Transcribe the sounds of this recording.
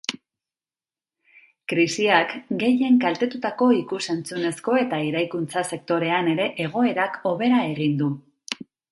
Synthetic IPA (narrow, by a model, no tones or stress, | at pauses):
kɾisiakɡe̞je̞ŋkalt̪e̞t̪ut̪ako̞ikuse̞nt͡sune̞sko̞e̞t̪aiɾajkunt͡sase̞k̚t̪o̞ɾe̞ane̞ɾe̞ʔeɣ̞o̞e̞ɾako̞β̞e̞ɾae̞ɣind̪u